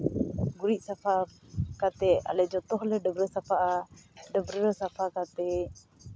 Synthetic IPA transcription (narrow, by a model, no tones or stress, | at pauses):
ɡuɾiʔ̚sapʰakat̪ɛa̰lɛd͡ʒɔt̪ɔhlɛɖɔbɾəsapʰaʔaɖɔbɾəɾsapʰakat̪ɛ